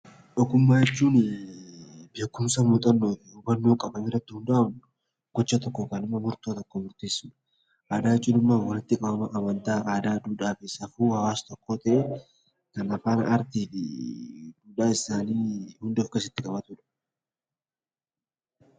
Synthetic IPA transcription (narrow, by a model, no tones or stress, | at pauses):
ᶑɔkːʊmːaːjɛt͡ʃːuːn | be̞ːkːʊmsɐmuːt̪ʼɐnːoːtɪʊbɐnːoːkʼɐbɐniːrːɐt̪ːɪhʊnd̪ɐʔɐbnʊ | ɡ̥ɔt͡ʃːɐt̪ɔkːoːkɐnɪmːɐmʊɾt̪oːt̪ɔkːoːmʊɾt̪e̞ːsːʊᶑ̥ | ʔaːd̪aːɪt͡ʃːuːnɪmːaːnwɐnɪt̪ːɪkʼɐbɐmɐʔɐmɐnt̪aːʔaːd̪aːd̪uːᶑaːfɪsɐfuːhɐwaːst̪ɔkːoːt̪ɐʔe | kɐnɐfaːnɐ̰ɐɾt̪iːfɪ̰ | d̪uːᶑaːɪsaːniːhʊnd̪fkeːsɪt̪ːɪkʼɐbɐt̪ʊᶑɐ̥